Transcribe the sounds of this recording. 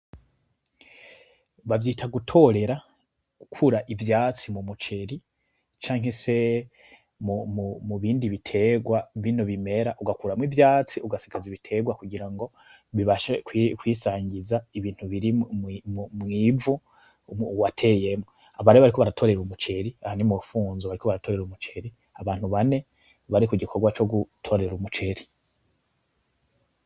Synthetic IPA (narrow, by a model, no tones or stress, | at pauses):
βavjiːtʰaɡutʰo̞ɾe̞ɾa | ɡ̥ukʰuɾaʔivjaːt͡simumut͡ʃe̞ɾi | t͡ʃaːŋhe̞se̞ | mumumuβiːndiβitʰe̞ɡwaβino̞βime̞ɾaʔuɡakuɾamwivjaːt͡siuɡasi̥kaziβitʰe̞ɡwakuɡiɾaŋɡo̞ | βiβaʃekikwiːsaːɲɟizaiβiːn̥huβiɾimmmŋivu | watʰe̞je̞mŋo | aβaɾejoβaɾiko̞βaɾatʰo̞ɾe̞ɾumut͡ʃe̞ɾiahanimuɾufuːnzoβaɾikoβaɾatʰo̞ɾe̞ɾumut͡ʃe̞ɾi | aβaːn̥huβane̞ | βaɾikuɟikʰoɾɡwat͡ʃo̞ɡutʰo̞ɾe̞ɾumut͡ʃe̞ɾi